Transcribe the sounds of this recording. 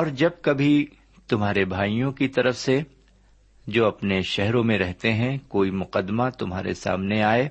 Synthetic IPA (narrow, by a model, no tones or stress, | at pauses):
ɔːɾd͡ʒɐb̚kɐbʱi | t̪ʊmɦaːɾebʱaːijõkit̪ɐɾəfse | d͡ʒoːɐpneʃɛɦɾõmẽɾɛɦt̪eɦɛ̃koːimʊqəd̪mat̪ʊmɦaːɾḛsa̰ːmneaːeː